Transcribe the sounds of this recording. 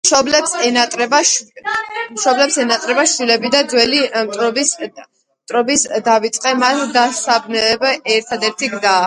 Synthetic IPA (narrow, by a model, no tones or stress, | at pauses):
mʃɔblɛpsɛnat̪ʼɾɛba | mʃɔblɛpsɛnat̪ʼɾɛbaʃd̪ilɛbid̪ad̪zwɛlimt̪ʼɾɔbs | t̪ʼɾɔbisd̪avit̪sʼqʼɛmat̪d̪asabnɛbɛɾt̪ʰad̪ɛɾt̪ʰiɡzaː